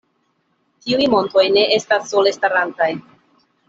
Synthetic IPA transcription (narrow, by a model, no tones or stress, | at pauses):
tiujmo̞nto̞jne̞ʔe̞stasːo̞le̞staɾantaj